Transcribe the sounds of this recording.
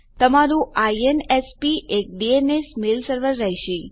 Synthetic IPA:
t̪əmaɾũaienespiʔek̚ɖienesmelsəɾʋəɾːəɦiʃe

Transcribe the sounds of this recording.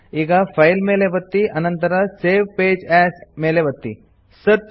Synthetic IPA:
iːɡafʰajlmeːlebɐt̪ːiʔɐnənt̪əɾaseːʋpeːd͡ʑɛːsmeːleʋɐt̪ːḭ | sət̪̚

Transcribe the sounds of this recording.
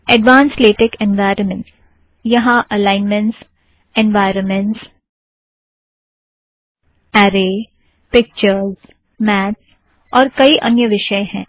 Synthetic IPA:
ɛɖʋãːnsleːʈɪkɛ̃nʋaːɪɾənmə̃ɳʈs | jɐɦãʔɐlãːɪnmɛ̃ɳʈs | ɛ̃nʋaːɪɾənmɛ̃ɳʈs | ɛːɾeː | pɪk̚t͡ʃəɾz | mɛːts | ɔːɾkɐiʔɐnjəʋɪʃəẽɦɛ̃ː

